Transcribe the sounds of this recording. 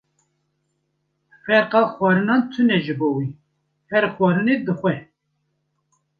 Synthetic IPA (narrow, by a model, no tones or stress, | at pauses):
fɛɾqɑxwɑɾɨnɑnt̪ʰɨnɛʒɨboːwi | hɛɾxwɑɾɨned̪ɨxʷɛ